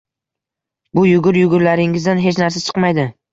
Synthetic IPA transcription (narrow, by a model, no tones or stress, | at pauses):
bʊjʊɡʲʊɾjʊɡʲʊɾlaɾɪŋɪzd̪anɦe̞t͡ʃnaɾsat͡ʃʰɨ̥qmajd̪ɪ